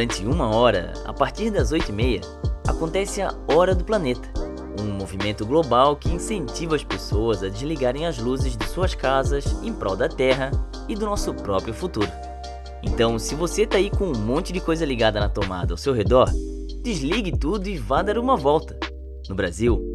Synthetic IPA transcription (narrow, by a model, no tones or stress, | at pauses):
d̪ɐ̃nt͡ʃɪũmɐɔɾɐ̰ | a̰paɾt͡ʃiɾd̪ɐzojt̪ʊimejɐ̰ | a̰kõnt̪ɛsɪaɔɾɐd̪ʊplɐnet̪ɐ̥ | ũmovimẽnt̪ʊɡlobawkɪĩsẽnt͡ʃivɐɐspesoɐzɐd͡ʒɪzliɡaɾẽj̃ɐzluzɪzd̪ɪsuɐskazɐzẽj̃pɾʔɔ̰wd̪ɐt̪ɛɦɐ | ɪd̪ʊnɔsʊpɾɔpɾjʊfut̪uɾʊ | ẽnt̪ɐ̃w̃sɪvoset̪aikõũmõnt͡ʃɪd͡ʒɪkojzɐliɡad̪ɐnɐt̪oma̰d̪ɐawsewɦed̪ɔɾ | d͡ʒ̪ɪzliɡɪt̪ud̪ʊɪvad̪aɾũmɐvɔwt̪ɐ̥ | nʊbɾaziw